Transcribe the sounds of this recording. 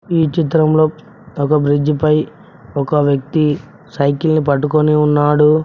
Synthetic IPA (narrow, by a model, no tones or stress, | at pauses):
iːt͡ʃit̪ɾɐmloː | ɔkɐbɾid͡ʒipɐj | ɔkɐʋjɐk̚t̪i | sɐjkilnipɐʈːukoniunːaːɽu